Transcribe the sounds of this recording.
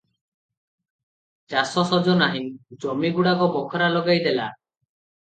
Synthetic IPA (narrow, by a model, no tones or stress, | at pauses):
d͡ʒasɔsɔd͡ʒɔnaɦĩd͡ʒɔmiɡuɽaɡɔbɔkʰɔɾalɔɡajd̪ela